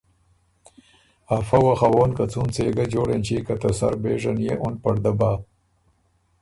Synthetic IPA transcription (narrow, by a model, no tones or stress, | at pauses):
afɐwaxawoːnkat͡sunt͡seːɡad͡ʒoːɽent͡ʃikat̪ɐsa̰ɾbeːʐanjeʔʊnpɐɽd̪abaː